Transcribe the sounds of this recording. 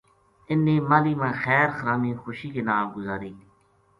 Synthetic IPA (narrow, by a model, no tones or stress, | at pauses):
ɪnːẽːmaːliːmãːxɛːɾxəɾaːmĩːxʊʃiːkeːnaːmɡʊzaːɾiː